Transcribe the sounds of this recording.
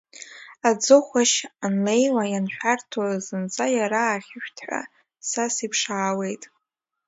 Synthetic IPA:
ad͡zɨχʷaʃanlejlajanʃᶣartʰazɨnt͡sʼajaɾaːχʲɪʃᶣtʰħʷa̰ | sasipʰʂaːwe̞jtʼ

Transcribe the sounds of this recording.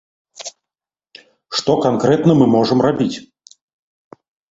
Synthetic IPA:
ʂt̪ɔkankɾɛt̪nɐmɨmɔʐəmrabʲit͡sʲ

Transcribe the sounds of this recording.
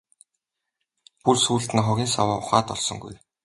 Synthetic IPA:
pursuːɮt̪ɘ̆nχɔɣʲiːnsawaːʊχaːt̪ɔ̰ɮsɞ̆ŋɡṵj

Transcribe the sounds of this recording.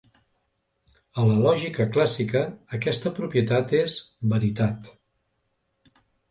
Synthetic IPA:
ələlɔʒikəklasikəːkɛst̪əpɾupjət̪at̪ezβəɾit̪at̪

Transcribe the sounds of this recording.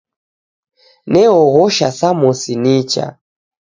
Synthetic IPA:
nɛɔɣɔʃasamɔsinit͡ʃa̰

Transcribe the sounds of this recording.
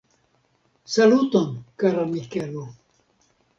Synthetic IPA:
salut̪onkaɾamikelo

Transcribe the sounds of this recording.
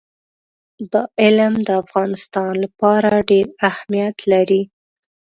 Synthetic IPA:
d̪ɑʔɪlmd̪əafɣɑnɪst̪ɑnlapɑɾaɖeɾahmijat̪laɾi

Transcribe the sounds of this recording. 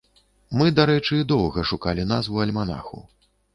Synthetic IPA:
mɨd̪aɾɛt͡ʂɨd̪ɔwɣɐʂukalʲin̪asvuɐlʲmana̰xṵ

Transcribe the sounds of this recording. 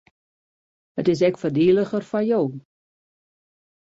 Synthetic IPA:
hətɪs̬ɛkfərdiːləxərfajoː

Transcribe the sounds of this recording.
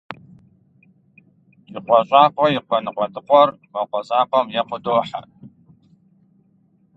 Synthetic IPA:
iqʷɔɕʼaːqʷɔjɪqʷɔnɨqʷɔtʰʼɨqʷʼɔrmɐqʷɔɕʼaːqʷɔmjɛqʷʊdoːħa̰

